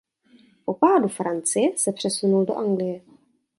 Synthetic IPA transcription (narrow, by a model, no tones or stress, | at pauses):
popaːdufɾant͡sɪjɛsɛpr̝̥ɛsunuldo̰ʔaŋɡlɪjɛ